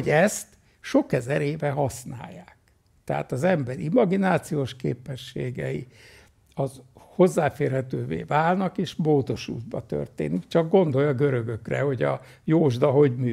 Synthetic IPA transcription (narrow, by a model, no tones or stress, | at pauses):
ɟɛst̪ | ʃo̞kɛzɛɾeːvɛɦɒsna̰ːjːaːk | t̪ɛɦa̰ːt̪ɒzɛmbɛɾimɒɡinaːt̪sijoːʃkḛːpɛʃːeːɡɛ̰ḭ | ɒzho̞zːaːfeːrhɛt̪øːvḛːvaːlnɒkeːʃmoːd̪o̞ʃṵːd̪̚bɒt̪ø̰rt̪ḛːnikt͡ʃɒɡ̚ɡo̞nd̪o̞jɒɡø̞ɾø̞ɡøkrɛ̰ho̞ɟɒ | joːʒd̪ɒɦo̞ɟmyː